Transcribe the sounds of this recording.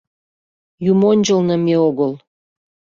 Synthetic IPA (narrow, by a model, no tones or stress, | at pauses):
jumonʲd͡ʑəlnəmeoɣəl